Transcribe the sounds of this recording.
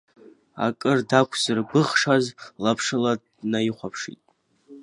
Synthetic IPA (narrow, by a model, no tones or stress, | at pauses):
a̰kʼɨrdakʷʰzɨrbɨχʂazlapʰʂɨlad | najiχʷapʰʂḭtʼ